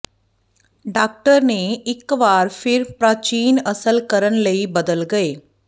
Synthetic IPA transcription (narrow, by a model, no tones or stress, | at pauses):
ɖaːk̚ʈəɾneɪkʋaːɾfʰɪɾpɾaːt͡ʃiːnɐsəlkəɾənləibəd̪əlɡɐeː